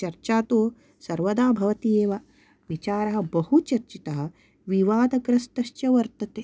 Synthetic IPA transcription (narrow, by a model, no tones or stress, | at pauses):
t͡ʃɐɾt͡ʃaːt̪oː | sɐɾʋɐd̪aːbʱɐʋɐt̪ieːʋɐ | ʋit͡ʃaːɾɐɦɐ̆bɐhut͡ʃɐɾt͡ʃit̪ɐɦɐ̆ | ʋiʋaːd̪ɐɡɾɐsʈ̪ɐʃt͡ʃjɐʋɐɾt̪ɐt̪eː